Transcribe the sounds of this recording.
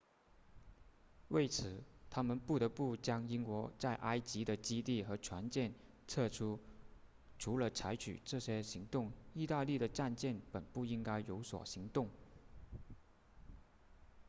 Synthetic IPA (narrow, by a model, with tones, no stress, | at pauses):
we˥˩ɪt͡sʰɹ̩˨˩t̪ʰa˥mə˨npu˥˩t̪ɤ˧˥pu˥˩t͡ɕjɑ˥ŋi˥ŋkwɔ˧˥t͡sa˥˩ɪʔa˥ɪt͡ɕi˧˥d̪ə˨t͡ɕi˥t̪i˥˩xɤ˧˥ʈ͡ʂʰwa˧˥nt͡ɕjɛ˥˩n | t͡sʰɤ˥˧ʈ͡ʂʰu˥ | ʈ͡ʂʰu˧˥lə˧t͡sʰa˧˥ɪt͡ɕʰy̰˨˩ʈ͡ʂɤ˥˩ɕjɛ˥ɕi˧˥ŋt̪ʊ˥˩ŋi˥˧t̪a˥˧li˥˩ɾə˩ʈ͡ʂa˥˧nt͡ɕjɛ˥˩npə˨˩npu˥˩i˥ŋka˥ɪjo˧˥ʊswɔ̰˨˩ɕi˧˥ŋt̪ʊ˥˩ŋ